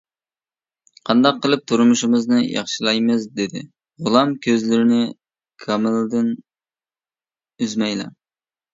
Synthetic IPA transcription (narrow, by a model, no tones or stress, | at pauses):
qʰɑnd̪ɑqʰːəlˠɨp̚t̪ʰuɾmuʃimɨznɨjɑ̰χʃilˠɑjmɨzd̪ɪd̪ɪ̰ | ʁʊlˠɑmkʲʰøzlɪɾɪnɪ | kʰɑmɨld̪ɪn | yzmɛjlɛ̰